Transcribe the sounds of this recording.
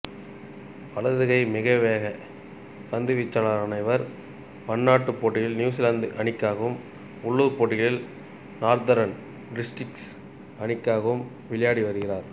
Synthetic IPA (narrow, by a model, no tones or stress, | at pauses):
pɐɭɐðɯɣɐɪmɪɣɐʋeːɣɐ | t̪ɐnd̪ɯʋɪt͡ʃːɐɭaɐnɐɪʋɐɾ | pɐnːaːʈːɯpːoːʈːɪjɪlnjuːs̬ɪland̪ɯʔɐɳɪkːaːɣɐʋɯm | ʊɭːɯʋɯpːoːʈːɪɣɐɭɪl | naːɾd̪ɐɾɐn | ɖɪsʈrɪks | ɐɳɪkːaːɣɐʋɯm | ʋɪɭɐjaːɽiʋɐɾɯɣɪraːɾ